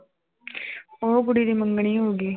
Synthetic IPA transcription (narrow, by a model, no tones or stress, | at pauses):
oːɡuɽid̪imɐŋɡɐɳiɦoːɡi